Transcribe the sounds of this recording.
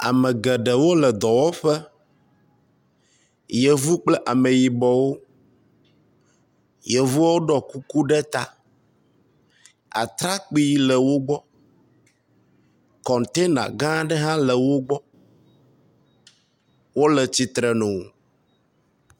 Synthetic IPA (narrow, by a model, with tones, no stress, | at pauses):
a̰˨mɛ̃˨ɡɛ˨ɖɛ˨wo˦lɛ˨d̪ɔ˨wɔ˦ɸɛ˦ | jɛ˨vu˦k͡plɛ˦ʔa˨me˨ji˨bɔ˨wo˦ | jɛ˨vu˦wo˦ɖɔ˨ku˦ku˦ɖɛ˦t̪a˦ | a̰˨t̪ɾa˦k͡pi˦lɛ˨wo˦ɡ͡bɔ˦ | kɔ̃˨nt̪e˦nã̰˨ɡã˦ɖɛ˦ɦã˦lə˨wo˦ɡ͡bɔ˦ | wo˦lɛ˨t͡ɕi˨t̪ɾɛ˨nũ˨wo˨